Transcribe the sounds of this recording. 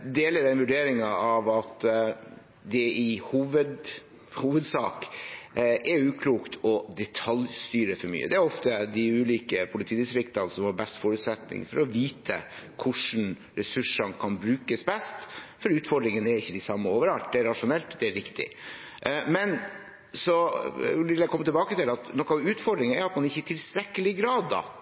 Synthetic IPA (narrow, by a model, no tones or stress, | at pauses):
d̪eːləɾd̪ɛnʋʉɖeːɾɪŋɑɑʋɑt̪ | d̪ɛɪhuːʋəd̪ | huːʋəd̪sɑ̰ːk | ʔɛɾʉːkʰluːkt̪ʰɔd̪ɛt̪ʰɑljst̪yːɾəfɔɾmy̰ːə̰d̪ɛæɾɔft̪əd̪ɪʉːliːkəpʰʊlɪt̪ʰiːd̪ɪst̪ɾɪkt̪ɑnsɔmhɑbɛst̪foːɾʉt̪sɛt̪nɪ̰ŋfɔɾɔʋiːt̪ʰə̰kʰʊʂn̩ | ɾɛsʉʂɑnkʰɑnbɾʉːkəsbɛst̪fɔɾʉːt̪fɔɖɾɪŋənæɾɪçːəd̪ɪsɑmːəoːʋəɾɑlt̪̚d̪ɛæɾɑʂʊnɛlt̪d̪ɛæɾɪkt̪ɪ̰ | mɛn | sɔʋɪʋljækʰɔmət̪ɪlbɑːkət̪ɪlɑt̪nɔkːɑɑʋʉːt̪fɔɖ̪ɾɪŋəæɾɑt̪mɑnɪçːət̪ʰɪlst̪ɾɛkːəlɪɡɾɑːd̪ːɑ̰